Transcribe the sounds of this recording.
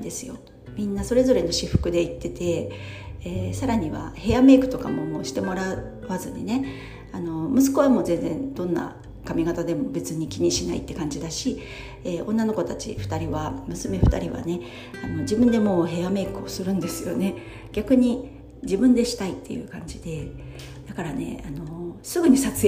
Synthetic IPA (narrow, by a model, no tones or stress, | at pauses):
d̪e̞sɨjo̞̰ | mʲĩnːaso̞ɾe̞zo̞ɾe̞no̞ɕiɸɯ̟̥kɯ̟d̪e̞it̪ːe̞t̪e̞ | eːsaɾaɲ̟iβa̰he̞jame̞ːkɯ̟̥t̪o̞kamo̞mo̞ːɕi̥t̪e̞mo̞ɾa | βazɨɲ̟ḭne̞ | ano̞mɯ̟s̬ɨ̥ko̞β̞amo̞zẽ̞nzẽ̞nd̪õ̞nːa̰ | kamʲiɡat̪ad̪e̞mo̞be̞t͡sɨɲ̟ikʲiɲ̟iɕinaḭt̪ːe̞kãɲ̟d͡ʑid̪aɕi | eːõ̞̰nːano̞ko̞t̪at͡ɕḭɸɯ̥t̪aɾʲiβamɯ̟sɨme̞ɸɯ̟̥t̪a̰ɾʲiβa̰ne̞ | ano̞d͡ʑibɯ̃nd̪e̞mo̞ːɦe̞ame̞ːkɯ̟o̞sɨɾɯ̟̃nd̪e̞sɨjo̞̰ne̞ | ɡʲakɯ̟ɲ̟i | d͡ʑibɯ̟̃nd̪e̞ɕi̥t̪ait̪ːe̞̰jɯ̟̰ːkãɲ̟d͡ʑid̪e̞ | d̪̥akaɾane̞̰ano̞osɨɡɯ̟ɲ̟isat͡s